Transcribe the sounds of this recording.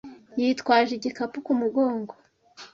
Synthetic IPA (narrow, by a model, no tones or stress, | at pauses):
jitkwaːʒiɟikapukumuɡoːŋɡo